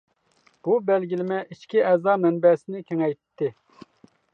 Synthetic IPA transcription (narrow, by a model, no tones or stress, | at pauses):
b̥ubɛlɡʲilɪmɛʔiʃkʲiɛzɑːmɛnbɛsɪnɪkʲʰeŋɛj̪t̪ʰːɪ